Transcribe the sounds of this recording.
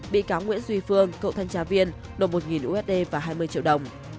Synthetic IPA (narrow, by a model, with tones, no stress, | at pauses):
ɓḭ˧˨kaː˨˦wŋwḭ˧˥ənzwi˧fɨ˧əŋkə̰˧˨wt̪ʰa˧jŋ̟t͡ɕaː˨˧˦vi˧ən | no˨˩t̚mo˨˩t̚ŋi˨˩nʔu˧ʔɛ˦˥t̚ɗe˧vaː˨˩ɦaː˧jmɨ˧əjt͡ɕḭ˧˨əwɗə˨˩wŋ͡m